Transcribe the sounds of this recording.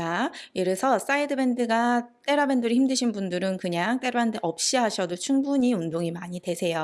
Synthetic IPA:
ajeɾɯsʰʌs͈aidɯbe̞ndɯɡat͈e̞ɾabe̞ndɯɾiçimdɯɕʰinbundɯɾɯnkɯɲaŋt͈e̞ɾoɦandeʔʌp̚ɕ͈iɦaɕʰʌdot͡ɕʰuŋbuɲiundoŋimaɲidwe̞sʰe̞jo

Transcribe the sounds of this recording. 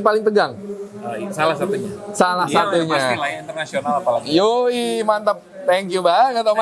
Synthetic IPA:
palɪŋt̪əɡaŋ | salahsat̪uɲasalahsat̪uɲalaint̪ərnasionalaljoimant̪əp̚ | t̪ɛŋkjubaəŋat̪auma

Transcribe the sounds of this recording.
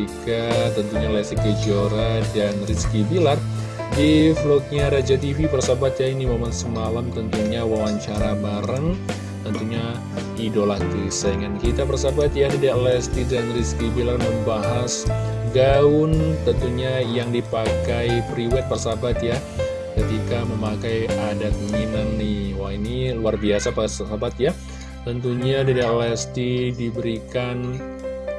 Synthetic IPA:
ikat̪ənt̪uɲalɛsikəd͡ʒoɾadanriskibilar | diflɔk̚ɲaɾad͡ʒat̪ivipərsabat̪jainimomansəmalamt̪ənt̪uɲawawaɲt͡ʃaɾabaɾəŋ | t̪ənt̪uɲa | idolakisəŋankit̪apərsabat̪jadidalɛst̪idanriskibilarməmbaɦasɡaʊnt̪ənt̪uɲajaŋdipakajpɾiwɛt̪̚pərsabat̪ja | kət̪ikaməmakajadakuɲinanːiwainiluarbiasapassabat̪ja | t̪ənt̪uɲadədalɛst̪idibəɾikan

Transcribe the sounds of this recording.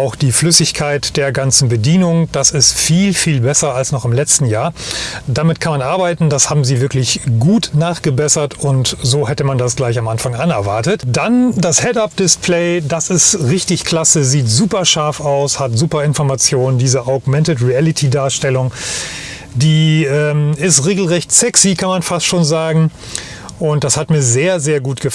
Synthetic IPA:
ʔaʊxd̥iːflʏsɪçkʰaɪtd̥eːɐɡant͡sn̩bədiːnʊŋd̥asɪstfiːlfiːlbɛsɐalsnɔχɪmlɛt͡stn̩jaːɐd̥amɪt̚kʰanmanʔaɐbaɪtn̩dashaːbm̩ziːvɪɐklɪçɡ̥uːtnaːχɡ̥əbɛsɐtʊntzoːhɛtəmandasɡ̥laɪçamʔanfaŋʔanɛɐvaɐtətd̥andashɛtap̚d̥ɪspʰlɛɪdasɪstʁɪçtɪçkl̥asəziːtzuːpɐʃaɐfaʊshatz̥uːpɐɪnfɔɐmat͡sjoːnəndiːzəʔɔɐɡmɛntətʁiɛlɪtʰidaːɐʃtɛlʊŋ | diːɛːmɪstʁeːɡl̩ʁɛçtsɛksikʰanmanfastʃoːnzaːɡŋ̩ | ʔʊntd̥ashatmiːɐzeːɐzeːɐɡuːtɡ̥əf

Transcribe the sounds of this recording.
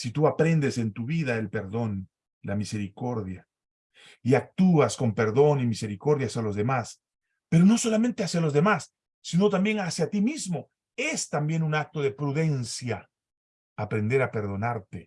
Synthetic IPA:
sit̪uapɾe̞nd̪ese̞nt̪uβiðaelpe̞ɾðo̞n | lamise̞ɾiko̞ɾðja | iak̚t̪uasko̞mpe̞ɾðo̞nimise̞ɾiko̞ɾðjasjalo̞zðemas | pe̞ɾo̞no̞so̞lame̞nt̪e̞asjalo̞zðe̞masː | ino̞t̪ambje̞ŋasjat̪imizmo̞ | e̞st̪ambje̞nunak̚t̪o̞ðe̞pɾuðe̞nsjaː | pɾe̞nd̪e̞ɾape̞ɾðo̞naɾt̪e

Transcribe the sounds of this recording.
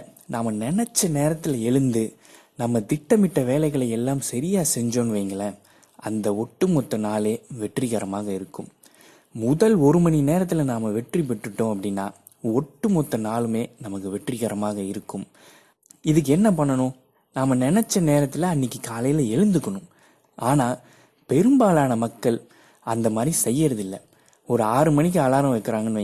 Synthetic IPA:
naːmɐnɪnɛt͡ʃːɐneːɾɐt̪ːɪlɐɛɻɯnd̪ɯ | nɐmːɐt̪ɪʈːɐmɪʈːɐʋeːlɐɪɣɐɭɐɪɛlːaːmsɐɾɪjaːsɛɲd͡ʒonʋeːŋɡɐɭɐ | ʔɐnd̪ɐɔʈːɯmɔt̪ːɐnaːleːʋɛʈrɪɣɐɾɐmaːɣɐɪɾɯkːɯmː | ʊðɐlɔɾɯmɐɳineːɾɐt̪̬ːɪlɐnaːmɐʋɛʈrip̬ɪʈːɯʈːõːɐpːɐɽɪnːa̰ː | ɔʈːɯmɔt̪ːɐnaːlɯmeːnɐmɐkːɯʋɛʈrɪɣɐɾɐmaːɣɐɪɾɯkːɯm | ɪðɯk̬ːɯɛnːɐpɐɳːɐɳʊ̃ | naːmɐnɪnɛt͡ʃːɐneːɾɐt̪ːɪlɐɐnːɪkːɯkaːlɐjɪlɐɛɻɯnd̪ɯkːɐɳʊm | ʔaːnaː | pɛɾɯmbaːlaːnɐmɐkːɐɭ | ɐnd̪ɐmaːd̪ɾisɛjːɐɾɐðɪlːɐ | ɔɾɯaːɾɯmɐɳɪk̬ːɯɐlaːɾɐ̃ʋɐɪkːɐɾaːŋɡɐnʋɐ

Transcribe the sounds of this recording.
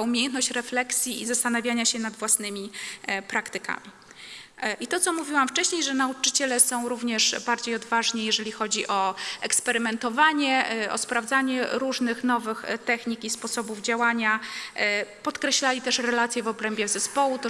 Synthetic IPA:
umʲejɛnt̪nɔɕt͡ɕɾɛflɛksʲjiizast̪anavʲjaɲaɕɛnad̪vwasnɘmʲipɾakt̪ɘka̰mʲi | ʔit̪ɔt̪sɔmuvʲiwamft͡ʂɛɕɲejʐɛnaut͡ʂɘt͡ɕɛlɛsɔ̃w̃ɾuvɲɛʂbaɾd͡ʑejɔd̪vaʐɲijɛʐɛlʲixɔd͡ʑiʔɔɛkspɛɾɘmɛnt̪ɔvaɲɛɔ̰spɾavd̪zaɲɛɾuʐnɘxnɔvɘxt̪ɛxɲikʲispɔsɔbuvd͡ʑawaɲa | pɔt̪kɾɛɕlalʲit̪ɛʂɾɛlat̪sʲjɛvɔbɾɛmbʲjɛzɛspɔwut̪ɔ

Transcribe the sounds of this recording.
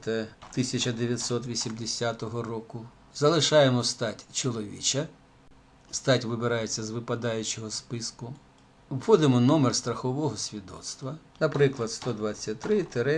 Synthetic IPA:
t̪ɐt̪ɪsʲɐt͡ʃɐd̪eʋʲjɐt̪ʲsɔt̪ʋʲisʲimd̪esʲat̪ɔɦɔrɔkʊ | zɐlˠɪʃɑjemɔst̪ɑtʲt͡ʃɔlˠɔʋʲḭt͡ʃɐ | st̪ɑtʲʋɪbɪɾɑjet͡sʲːɐzʋɪpɐd̪ɑjʊt͡ʃɔɦɔspɪskʊ | wxɔd̪ɪmɔnɔmerst̪ɾɐxɔʋɔɦɔsʲʋʲid̪ɔ̰t̪st̪ʋɐnɐpɾɪklˠɐd̪st̪ɔd̪ʋɑt͡sʲːɐt̚ʲt̪ɾɪt̪eɾɛ

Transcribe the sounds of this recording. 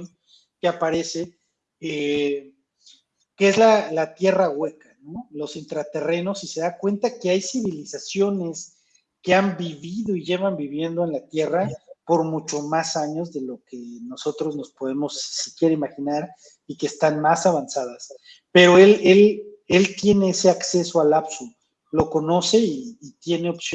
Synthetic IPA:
keapaɾe̞se̞ | e | keezlalat̪je̞raɣwe̞kano̞lo̞sint̪ɾat̪e̞re̞no̞sise̞ðakwe̞nt̪ake̞ajsiβilisasjo̞ne̞s | ke̞ambiβiðo̞iʝe̞βambiβje̞nd̪o̞enlat̪je̞rapo̞ɾmut͡ʃo̞masaɲo̞zðe̞lo̞ke̞no̞so̞t̪ɾo̞zno̞spo̞ðe̞mo̞sisi̥kje̞ɾaimaxinaɾ | ike̞ːst̪anmasaβansaðas | pe̞ɾo̞e̞le̞le̞lt̪je̞ne̞ese̞akse̞so̞alapsu | lo̞ko̞no̞se̞iːt̪je̞ne̞ops

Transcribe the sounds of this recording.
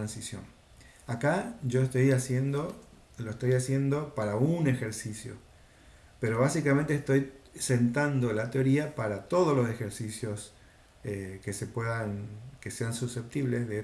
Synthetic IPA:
t̪ɾansisjo̰n | akaʒo̞est̪o̞jasjend̪o | loest̪o̞jasje̞nd̪o̞paɾaune̞xe̞ɾsisjo̰ | pe̞ɾo̞β̞asikamẽnt̪eːst̪o̞jse̞nt̪and̪o̞lat̪eo̞ɾiapaɾat̪o̞ð̞ozlo̞se̞xe̞ɾsisjo̞s | ekese̞pweðankeseansuse̞p̚t̪iβle̞zðe

